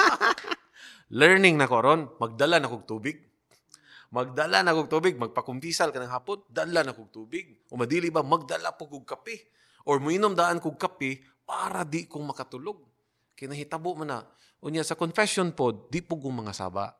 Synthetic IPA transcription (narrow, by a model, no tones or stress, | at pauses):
lɛɹnɪŋnɐkoʔɐɾonmɐɡ̚d̪alanɐkoɡ̚t̪uːbɪɡ̚ | mɐɡ̚d̪alanɐkoɡ̚t̪uːbɪɡ̚mɐɡ̚pɐkʊmpisalkɐnaŋɦaːpond̪alanɐkoɡ̚t̪uːbɪɡ̚ʔomɐd̪iːlɪbamɐɡ̚d̪ala̰pokʊɡ̚kɐpɪ | ʔoɹmʊʔinomd̪aʔankʊɡ̚kɐpɪ | paːɾad̪ɪkoŋmɐkɐt̪ʊloɡ̚ | kɐjnɐɦɪt̪abʊʔmana | ʔʊɲasɐkonfɛsonpod̪d̪ɪʔpʊɡʊŋmɐŋasa̰ːba̰ʔ